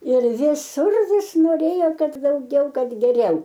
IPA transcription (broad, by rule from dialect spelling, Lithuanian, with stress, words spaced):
ɪr ʋʲɪˈsʊr ˈʋʲɪs noːˈrʲeːjoː ˈkɐt dɐʊˈɡʲɛʊ ˈkɐt ɡʲɛˈrʲɛʊ